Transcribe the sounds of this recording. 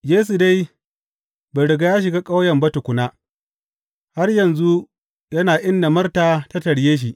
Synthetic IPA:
jeː˦s̬u˨da˦j | ba˨ɽɪ˨ɡa˦jaː˦ʃ̬ɪ˨ɡaː˦kʼa˦wjɐ˨mbɐ˦tʊ˨kʷʊ˨naː˦ | ha˦rjɐ˨nzu˦ | jɐ˦naː˨ʔɪ˦nda˨mɐ˦rtaː˨ta˦tɐ˨ɽjeː˦ʃ̬i˨ʔ

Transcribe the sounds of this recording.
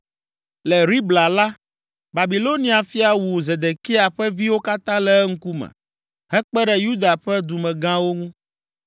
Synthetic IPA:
lɛ˨ɾi˦bla˨la˦ | ba˨bi˨lo˦nĩ˨a˨fi˦a˨wu˨ze˨d̪e˨ki˦a˨ɸɛ˦vi˦wo˦ka˦t̪ã˦lɛ˦ŋ̩˦ku˦mɛ̰̃˨ | ɦɛ˦k͡pɛ˦ɖɛ˨ju˦d̪a˨ɸɛ˦d̪u˨mɛ̃˨ɡã˦wo˦ŋũ˦

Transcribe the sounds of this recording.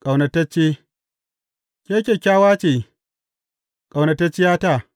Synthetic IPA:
kʼa˨wnɐ˨tɐ˦t͡ʃːeː˦ | kʲeː˦kʲe˨kʲaː˦waː˦t͡ʃeː˨ | kʼa˨wnɐ˨tɐ˦t͡ʃːɪ˦jaː˦ta˦˨

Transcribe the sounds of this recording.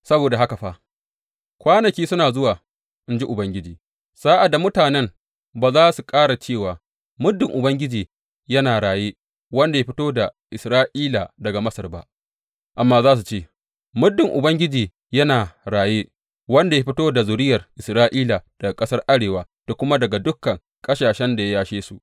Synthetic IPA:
sɐ˦boː˨da˨ɦa˦ka˨ɸa˦ | kʷaː˦nɐ˨kʲiː˦sʊ˦naː˨zʊ˦waː˨ | ʔɪ˦nd͡ʒi˦ʔʊ˨bɐ˦ŋɡʲɪ˦d͡ʒiː˨ | z̥aː˦ʔa˨da˨mʊ˦taː˨nɛ˦m | baː˨zaː˦su˨kʼaː˦ɽa˨t͡ʃeː˦˨waː˨ | mʊ˦dːɪ˨ŋʔʊ˨bɐ˦ŋɡʲɪ˦d͡ʒiː˨ | jɐ˦naː˨ɽaː˨jeː˦ | wɐ˦nda˨ja˦ɸɪ˦toː˦da˨ʔɪ˨sɾaː˦ʔiː˦la˨dɐ˨ɡa˨mɐ˦sɐ˨rba̰˦ʔ | ʔa˨mːaː˦zaː˦s̬u˨t͡ʃeː˦ | mʊ˦dːɪ˨ŋʔʊ˨bɐ˦ŋɡʲɪ˦d͡ʒiː˨ | jɐ˦naː˨ɽaː˨jeː˦ | wɐ˦nda˨ja˦ɸɪ˦toː˦da˨zʊ˨ɾɪ˦jɐ˨rʔɪ˨sɾaː˦ʔiː˦la˨d̥ɐ˨a˨kʼɐ˦sɐ˦rʔa˦ɽeː˨waː˨ | d̥a˨kʷʊ˦ma˦dɐ˨ɡa˨dʊ˦kːɐ˨ŋ | kʼɐ˦ʃaː˨ʃɛ˦nda˨ja˦jaː˦ʃeː˦su˨ʔ

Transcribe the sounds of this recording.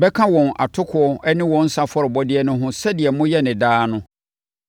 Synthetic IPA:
bɛ˦kʰã˦wɔ̃˨na̰˨tʰʊ˦kʰʊ˨˦ɔ˦ɛ˦nɪ̃˦wɔ̃˦n̩˦sa˦fɔ˦ɾɪ˨bɔ˦dɪ˦ɛ˦nʊ̃˦ɦʊ̃˦sɛ˦dɪ˨ɛ˨mʊ̃˦jɛ˦nɪ̃˨daː˦nʊ̃˦

